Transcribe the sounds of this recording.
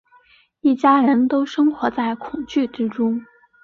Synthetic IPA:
i˥˩t͡ɕja˥ɻə˧˥nt̪o˥ʊʂɤ˥ŋxwɔ˧˥t͡sa˥˩ɪkʰʊ˨˩ŋt͡ɕy˥˩ʈ͡ʂɻ̩˥ʈ͡ʂʊ˥ŋ

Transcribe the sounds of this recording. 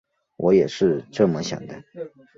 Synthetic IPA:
wʔɔ˧˥jɛ˨˩ʂɻ̩˥˧ʈ͡ʂɤ˥˩mə˨ɕjɑ̰˨˩ŋd̪ə˦

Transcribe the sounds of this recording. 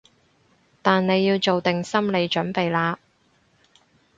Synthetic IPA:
t̪aː˨nne˨˧jːiː˧wt͡so˨wt̪ɪ˨˩ŋsɐ˥mle˨˧jt͡ʃɵ˨˥npe˨jlaː˧

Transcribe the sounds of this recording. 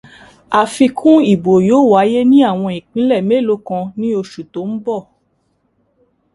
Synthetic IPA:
a˨fi˧kʰũ˦i˨bo˨joː˨˦˨wa˨˦je˦nĩ˦a˦˨w̃ɔ̃˧ĩ˨k͡pĩ˨˦lɛ˦˨me˦˨lo˦kã˧nĩ˦o˧ʃu˨to˨˦m̩˦bɔ˦˨

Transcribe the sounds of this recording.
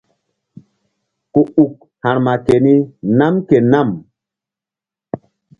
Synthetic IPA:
ku˨u˨k̚ | hã˨ɾma˨ke˨ni˦na˦mke˨na˦˨m

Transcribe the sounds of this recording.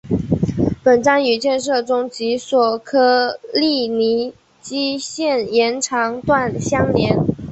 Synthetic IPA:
pə˨˩nʈ͡ʂɑ˥ŋy˨˩t͡ɕjɛ˥˧nʂɤ˥˩ʈ͡ʂʊ˥ŋt͡ɕi˧˥swɔ˨˩kʰɤ˥li˥˩ni˧˥ | t͡ɕi˥ɕjɛ˥˩njɛ˧˥nʈ͡ʂʰɑ˧˥ŋt̪wa˥˩nɕjɑ˥ŋljɛ˧˥n

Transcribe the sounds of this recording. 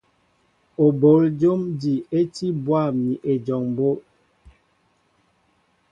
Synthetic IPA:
o˨bo˨˦ld͡ʒo˦mdi˨e˦ti˦bwa˦˨mi˨ʔe˨d͡ʒɔ˨ŋbo˦

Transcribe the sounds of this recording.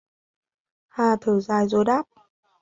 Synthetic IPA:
haː˧˩t̪ʰɨː˧˩zaː˧˩jzo˧˩jɗaː˦˥p̚

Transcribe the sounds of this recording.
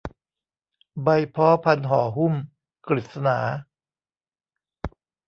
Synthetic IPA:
ba˧jpʰɔː˦˥pʰa˧nɦɔː˩˦ɦu˥˩m | kɾi˨˩t̪̚sa˧naː˩˦

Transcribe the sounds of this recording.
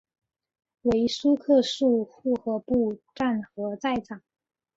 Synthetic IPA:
we˧˥ɪʂu˥kʰɤ˥˧ʂu˥˧xu˥˩xɤ˧˥pu˥˧ʈ͡ʂa˥˩nxɤ˧˥t͡sa˥˩ɪʈ͡ʂʰɑ˨˩˦

